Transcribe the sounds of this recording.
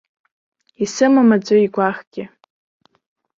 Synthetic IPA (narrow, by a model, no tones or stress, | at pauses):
isɨmamad͡zʷʼoiɡʷaχɡ̥ʲɪ